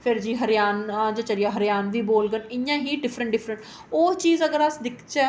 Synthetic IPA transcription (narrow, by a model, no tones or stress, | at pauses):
pʰɪɾd͡ʒiːɦəɾjaːnad͡ʒaːt͡ʃəlɪjaːɦəɾjaːnʋiːboːlɡənɪjãːɦiːɖɪpʰɾəɳʈɖɪpʰɾəɳʈ | oːt͡ʃiːzəɡəɾəsd̪ɪkʰt͡ʃɛ